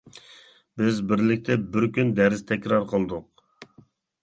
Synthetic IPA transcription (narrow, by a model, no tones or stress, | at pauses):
bɪzbɪɾlɪk̚ʲt̪ʰɛbɪɾkʲynd̪æɾɪzt̪ʰɛkʲɾɑɾqʰəlˠd̪ʊq̚